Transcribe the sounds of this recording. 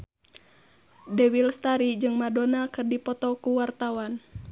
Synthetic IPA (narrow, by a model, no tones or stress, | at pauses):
dɛwilst̪aɾid͡ʒɨŋmadɔnakɨrdipɔt̪ɔkuwart̪awan